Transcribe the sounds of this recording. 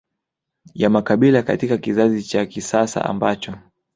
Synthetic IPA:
jamakaɓilaka̰tikakizazit͡ʃakisasa̰a̰mbat͡ʃɔ

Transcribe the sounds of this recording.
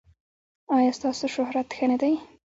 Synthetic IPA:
ɑjɑst̪ɑsoʃʊhɾat̪xənad̪aj

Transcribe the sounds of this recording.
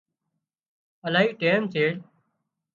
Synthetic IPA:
əlaːɦiːʈeːmtʰeːɽ

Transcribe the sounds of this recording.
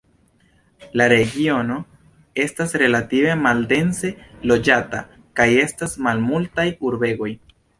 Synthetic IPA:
laɾe̞ɡio̞no̞ | e̞stasɾe̞lative̞malde̞nse̞lo̞d͡ʒata̰ | kaje̞stasmalmultajuɾbe̞ɡo̞j

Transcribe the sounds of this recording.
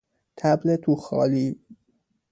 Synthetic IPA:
t̪ʰæblet̪ʰuxɒ̰ːliː

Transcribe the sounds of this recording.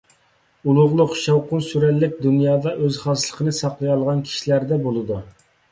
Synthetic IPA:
ulˠʊʁlˠʊqʃɑwqʊnsyɾɛlːɪk̚ʲd̪unjɑːd̪ɑʔøzχɑslˠəqʰənɨsɑqlˠɨjɑlˠʁɑnkʲʰi̥ʃilæɾd̪ɛbolˠɨd̪u

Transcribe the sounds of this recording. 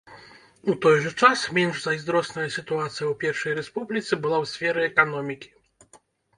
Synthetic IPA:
ut̪ɔjʐɛt͡ʂasmʲjɛnʐzajzd̪ɾɔsnɛjsɘt̪uat̪sʲjɛwpʲjɛɾfʂɛjɾɛspublʲit̪sɛbɨlawsfʲɛɾɛːkɔnɔmʲikʲi̥

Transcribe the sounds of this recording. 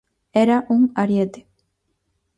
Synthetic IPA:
eɾaʔuŋaɾjet̪e̥

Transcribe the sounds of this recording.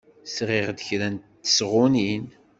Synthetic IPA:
sʁeʁd̪əçɾænt̪ːə̥sʁʊnin

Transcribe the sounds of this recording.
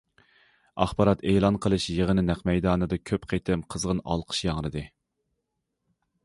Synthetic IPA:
ɑ̰χbɑɾɑt̪eːlˠɑnqʰəlˠɨʃjeʁənɪnæqmɛjd̪ɑːnɨd̪ɨkʲʰøpqʰet̪ʰɪmqʰəzʁənɑ̰lˠqʰə̥ʃjɑŋɾɨd̪ɨ

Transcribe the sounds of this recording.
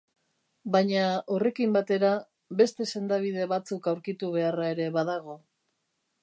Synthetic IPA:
bajɲao̞re̞kimbat̪e̞ɾa | be̞st̪e̞se̞nd̪aβ̞ið̞e̞βat͡sukawɾkit̪uβ̞e̞arae̞ɾe̞βaðaɣ̞o̞

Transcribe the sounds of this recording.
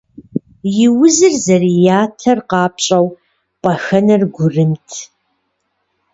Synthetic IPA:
jɪwʊzɨrzɐrijaːtʰɐrqɑːpʰɕʼɐw | pʼɐxɐnɐrɡʷʊrɨmtʰ

